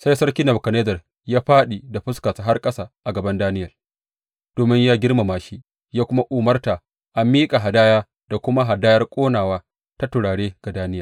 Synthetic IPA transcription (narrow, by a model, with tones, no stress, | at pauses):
sa˦jsɐ˦rkʲi˦nɐ˨bkɐ˨neː˦zɐ˨r | jaː˦ɸaː˦ɗi˨da˨ɸʊ˦skaː˨sa˨ɦa˦rkʼɐ˦saː˦ʔa˨ɡɐ˨bɐ˦ndaː˦nɪ˦jɐ˨ | d̥oː˨mɪ˦ɲjaː˦ɡʲɪ˦rma˨maː˨ʃi˦ | jaː˦kʷʊ˦ma˦ʔuː˨mɐ˦rta˨ | ʔa˨mːiː˦kʼa˨ɦa˨daː˦jaː˦ | d̥a˨kʷʊ˦ma˦ɦa˨daː˦jɐ˦rkʷʼoː˦naː˨waː˦ | ta˦tʊ˨ɽaː˨ɽeː˦ɡ̥a˨daː˦nɪ˦ja˨